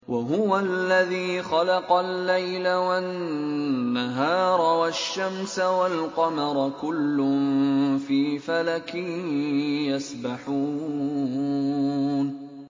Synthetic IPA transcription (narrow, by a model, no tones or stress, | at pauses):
wʔaɦʊwalːaðiːxɑlɑqɑlːajlawa | aɦɑːɾˤɑwaʃːamsawalqɑmɑɾˤkʊlːʊmfiːfalakɪ | jasbaħuː | n